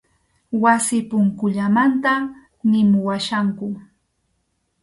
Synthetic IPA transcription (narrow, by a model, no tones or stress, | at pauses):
wasɪpʊŋkʊʎamant̪a | nɪmʊwaʃaŋkʊ